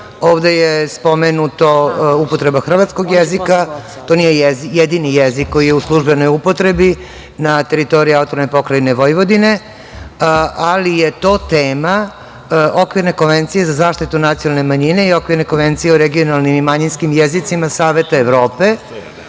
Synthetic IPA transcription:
oːʋd̪e̞jespo̞menut̪oupo̞t̪ɾe̞baxr̩ʋat̪sko̞ɡjezika | t̪o̞nijejzjed̪inijezikːo̞jijeuslˠuʒbeno̞jupo̞t̪ɾe̞bi | nat̪e̞ɾit̪o̞ɾiaut̪oɾnepo̞kɾajne̞ʋojʋo̞d̪ine̞ | alijet̪o̞ːt̪eːma | okʋiɾnekonʋent̪sije̞zazaːʃt̪it̪unat̪sionalne̞maɲine̞io̞kʋiɾnekonʋe̞nt̪sijeoɾeɡio̞nalnimimaɲinskimjezit̪simasaːʋe̞t̪aeʋɾo̞ːpe̞

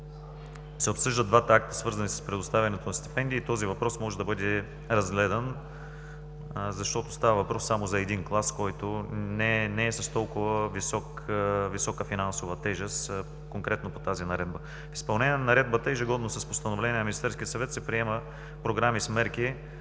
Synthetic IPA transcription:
sɛopsɤʒd̪əd̪vat̪ɐak̚t̪ə̥svɤɾzɐnisə̥spɾɛd̪ost̪avʲɛnɛt̪onɐst̪ɛ̥pɛnd̪iːt̪ɔzivɐpɾɔsmɔʒɛd̪ɐbɤd̪ɛ | ɾɐzɡlɛd̪ən | zɐʃt̪ɔt̪o̥st̪avəvɐpɾɔsːamozɐɛd̪inklˠaskɔjt̪onɛnɛːsɐst̪ɔlˠkʊvəvisɔk | visɔkəfinansovət̪ɛʒɛst̪ | koŋkɾɛt̪nopot̪azinɐɾɛd̪bə | i̥spɐlˠnɛnʲiɛnɐɾɛd̪̚bət̪əɛʒiɡɔd̪nosɐspost̪ɐnovlɛnʲiɛnɐminist̪ɛɾskʲiət̪sɐvɛt̪sɛpɾiɛmə | pɾoɡɾamismɛɾki

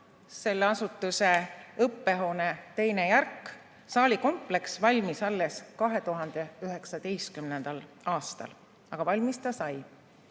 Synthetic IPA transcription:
se̞lːeɑsut̪ːˑuse̞ɤpːe̞ɦo̞ːne̞t̪e̞jne̞jærkː | sɑːlʲiko̞mple̞ksvɑlʲmisɑlːe̞skɑɦe̞t̪uɦɑnd̪̥e̞yɦe̞ksɑd̪̥ejst̪kymnend̪̥ɑl | ɑːst̪ɑ̰l | ɑɡ̥ɑvɑlʲmist̪ɑsɑj

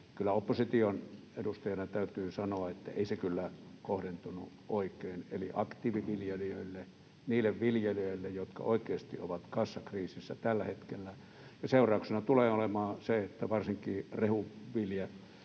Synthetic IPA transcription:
kylːˑæopːosit̪ion | edust̪ɑjɑnɑt̪æyt̪yːsɑnoɑet̪ːæ̰eˑisekylːækohdent̪unṵ | ʔoˑikˑeːnḛliʔɑkt̪iːʋiʋiljeliøilːe | niːlːeʋʋiljeliøˑilːejjot̪kɑ̰oikˑeːst̪ḭo̰ʋɑt̪kɑsːɑkriːsisːæt̪ælːæhet̪kelːæ | jɑseurɑˑuksenɑt̪uleːolemɑːseet̪ːæʋɑrsiŋkiːrehuʋilje

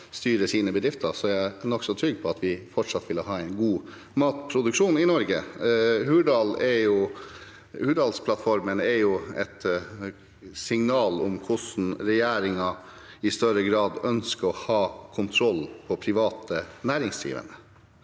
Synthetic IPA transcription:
st̪yːɾəsiːnəbəd̪ɾɪft̪əsɔænɔksɔt̪ʰɾʏɡːpʰɔɑt̪ʋɪfɔʈʂɑt̪ʋɪləɦɑːɛɪnɡuː | mɑːt̪pʰɾʊd̪ʉkʂuːnɪnɔɾɡə̰hʉːɖɑːlɛɾjʊ | hʉːɖɑːlspʰlɑt̪fɔɾmənɛɾjʊɛt̪ | sɪŋnɑːlʊmkʰʊsn̩ɾɛjeːɾɪŋɑ | ɪst̪œɾəɡɾɑːd̪œnskəɔhɑːkʰʊnt̪ʰɾɔlpʰɔpʰɾɪʋɑːt̪ənæːɾɪŋsjḭːʋə̰nə

